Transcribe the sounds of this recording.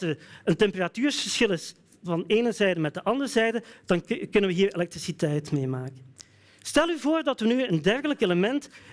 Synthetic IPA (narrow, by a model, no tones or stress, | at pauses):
ərəntɛmpəratyːɹsfəɹsxɪlˠɪs | vɑneːnəzɛjdəmɛt̚dəʔɑndərzɛjdəd̥ɑnkɵnənʋəɦiːɹelɛk̚trisitɛjtmeːmaːkə | stɛlˠyvoːrdɑtʋənyəndɛrɣələkeləmɛnt